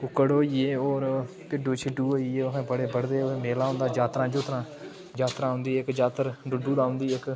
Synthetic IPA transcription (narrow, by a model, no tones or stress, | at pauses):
ʊkːəɽoːieːoːɾ | pɪɖuːt͡ʃʰɪɖuːoːiːeːoɦẽːbəɽeːbəɽd̪eːomeːlaːʊ̃nd̪aːd͡ʒaːt̪ɾãːd͡ʒʊt̪ɾãː | d͡ʒaːt̪ɾãːɦʊ̃nd̪iːɪkd͡ʒaːt̪əɾɖʊɖuːd̪aːɦʊ̃nd̪iːɪk